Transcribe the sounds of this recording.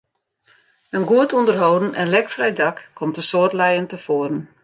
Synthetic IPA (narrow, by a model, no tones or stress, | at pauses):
ənɡuətʰundərɦowdn̩ɛnlɛkfrɛjdɑkkʰːɔmtəsoərtlɛjəntəfoəɾən̩